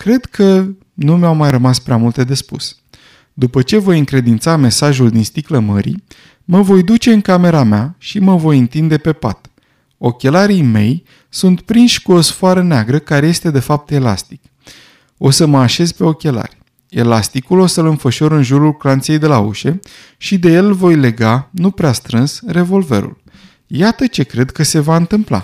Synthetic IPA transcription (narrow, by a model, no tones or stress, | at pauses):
kɾe̞d̪kʰə | numawmajrəmaspɾeamult̪e̞d̪e̞spṵs | d̪upət͡ʃe̞vo̞jɨŋkɾe̞d̪int̪same̞saʒuld̪inst̪ikləməɾḭ | məvo̞jd̪ut͡ʃe̞ɨŋkame̞ɾameaʃiməvo̞jɨnt̪ind̪e̞pe̞pa̰t̪ | o̞kʲe̞laɾijme̞̰j | sunt̪pɾinʃʲkuo̞sfoaɾəneaɡɾəkaɾe̞je̞st̪e̞d̪e̞fap̚t̪e̞la̰st̪i̥k | o̞səməaʃe̞zpe̞o̞kʲe̞la̰rʲ | e̞̰last̪ikulo̞səlɨnfəʃo̞ɾɨnʒuɾulklant̪se̞jd̪e̞laṵʃe̞ | ʃid̪e̞je̞lvo̞jle̞ɡanupɾeast̪ɾɨnsre̞vo̞lve̞̰ɾṵl | jat̪ət͡ʃe̞kɾe̞d̪kəse̞vaɨnt̪ɨmpla̰